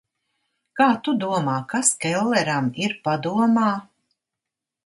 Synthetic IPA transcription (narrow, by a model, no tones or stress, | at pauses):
kaːt̪ud̪uɔmaːkaskɛlˠːɛɾamiɾpad̪uɔmaː